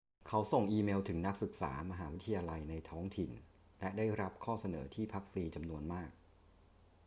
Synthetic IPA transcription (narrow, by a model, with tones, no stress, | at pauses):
kʰa˦˥wso˨˩ŋʔiː˧meː˧wt̪ʰɯ˩˦ŋna˦˥k̚sɯ˨˩k̚sa̰ː˩˦ma˧ɦaː˩˦wi˦˥t̪ʰːajaː˧la˧jna˧jt̪ʰɔː˦˥ŋt̪ʰi˨˩n | lɛ˦˥daː˥˩jɾa˦˥p̚kʰɔː˥˩sa˧nɤː˩˦t̪ʰiː˥˩pʰa˦˥k̚fɾiː˧t͡ɕa˧mnu˧ənmaː˥˩k̚